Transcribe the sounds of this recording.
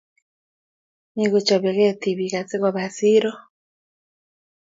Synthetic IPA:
ni˨ɣo˨t͡ʃɔ˨βɛ˨ɣɛ˦t̪i˨βi˨ɣa˨t͡sɪ˦ɣɔ˨βa˨si˦ɾɔ˦

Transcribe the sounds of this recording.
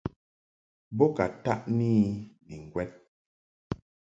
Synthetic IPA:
bɔ˦ka˨ta˦ʔniː˦ni˨ŋ˨ɡwɛ˦t̚

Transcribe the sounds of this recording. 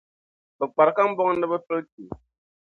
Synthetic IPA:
bə˨k͡pa˨ɾka˦m̩˦bɔ˦ŋ˦nɨ˦bə˦fə˦lti˨

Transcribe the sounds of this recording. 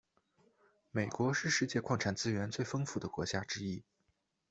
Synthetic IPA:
me˨˩ɪkwɔ˧˥ʂɻ̩˥˧ʂɻ̩˥˧t͡ɕjɛ˥˧kʰwɑ˥˩ŋʈ͡ʂʰa˨˩nt͡sɹ̩˥ɥɛ˧˥nt͡swe˥˩ɪfɤ˥ŋfu˥˩d̪ə˦kwɔ˧˥t͡ɕja˥ʈ͡ʂɻ̩˥i˥

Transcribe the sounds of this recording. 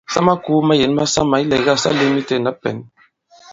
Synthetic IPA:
sa˦ma˦ku˦ma˦je˨n˦ma˦sa˦ma˨i˦lɛ˨ɡa˦˨sa̰˦le˦mi˦te˦˨na˦pɛ̰˨n

